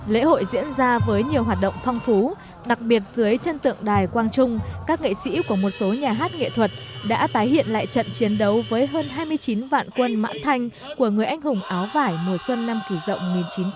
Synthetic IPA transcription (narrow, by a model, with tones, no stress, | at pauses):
lḛ˧˥ho̰˧˨jzḭ˧˥ənzaː˧vəː˨˦jɲi˨˩əwɦaː˨˩t̚ɗə̰˧˨wŋ͡mfɔ˧wŋ͡mt̪ʰu˨˦ | ɗa˨˩k̚ɓi˨˩ət̚z̥ɨ˨˦əjt͡ɕə˧nt̪ɨ̰˧˨əŋɗaː˨˩jkwaː˧nt͡ɕʊ˧ŋ͡mkaː˦˥k̚ŋḛ˧˨sḭ˧˥ku˧˩əmo˨˩t̚so˨˦ɲaː˨˩ɦaː˦˥t̚ŋḛ˧˨t̪ʰwə˨˩t̚ɗa̰ː˧˥t̪aː˨˦jhḭ˧˨ənla̰ː˧˨jt͡ɕə̰˧˨nt͡ɕi˨˦ənɗə˨˦wvəː˨˦jɦəː˧nɦaː˧jmɨ˧əjt͡ɕi˨˦nva̰ː˧˨nkwə˧nma̰ː˧˥nt̪ʰa˧jŋ̟ | ku˧˩əŋɨ˨˩əjʔa˧jŋ̟hʊ˨˩ŋ͡mʔaː˨˦wvaː˧˩jno˧˩jswə˧nːa˧mki˧˩zə̰˧˨wŋ͡mŋi˨˩nt͡ɕi˨˦n